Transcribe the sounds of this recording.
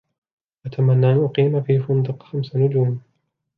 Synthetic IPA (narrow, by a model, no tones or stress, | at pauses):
ʔat̪ʰamanːaːʔanʔʊqiːmafiːfʊnd̪ɨqxamsanʊd͡ʒuːm